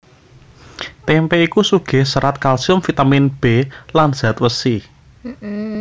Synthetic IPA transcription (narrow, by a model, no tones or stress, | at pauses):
t̪ɛmpɛikusuɡ̥ɛ̤hsəɾat̪̚kalsiʊmfit̪aminb̥e̤lanz̥a̤t̪wəsi